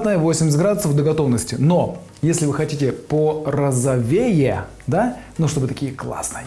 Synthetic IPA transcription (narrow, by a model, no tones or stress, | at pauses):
t̪nəjəvosʲɪmʲsʲt̪ʲɡɾad̪ʊsəvd̪əɡɐt̪o̞vnəsʲtʲɪno | jesʲlʲɪvɨxɐtʲitʲɪpərəzɐvʲejɪ | d̪anuʂt̪o̞bɨt̪ɐkʲijəklˠa̰snɨjə